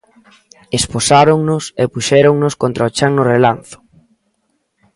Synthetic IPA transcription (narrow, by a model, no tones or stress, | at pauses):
esposaɾoŋnʊsepuʃɛɾoŋnʊskont̪ɾaot͡ʃaŋnʊrelanθʊ̥